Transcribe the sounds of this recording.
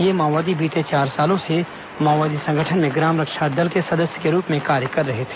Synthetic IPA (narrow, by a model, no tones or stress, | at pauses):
jemaːʋaːd̪ibiːt̪et͡ʃaːɾsaːlõse | maːʋaːd̪isɐ̃ŋɡəʈʰənmẽɡɾaːmɾəkʃad̪ɐlkesɐd̪əsjəkeɾuːpmẽkaːɾjəkɐɾːɐɦet̪ʰe̥